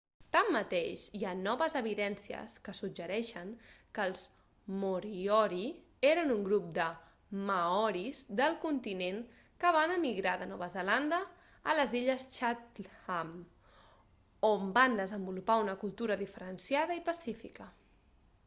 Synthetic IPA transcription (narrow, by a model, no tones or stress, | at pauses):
t̪amːət̪eʃianɔβəzəβiðɛnsiə̰skəsud͡ʒʒəɾɛʃəŋkəːlˠz | muɾiɔɾi | eɾənuŋɡɾup̚d̪ə | məɔɾizðəlˠkunt̪ineŋ | kəβ̞anəmiɣɾaðənɔβəzəland̪ə | ələziʎəsʃat̪am | omband̪əzəmbulupaunəkulˠt̪uɾəðifəɾənsjaðəipəsifikə